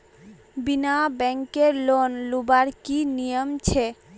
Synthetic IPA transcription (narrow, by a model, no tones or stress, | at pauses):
binabɛŋkeɾlonlubaɾkinijomt͡ɕʰe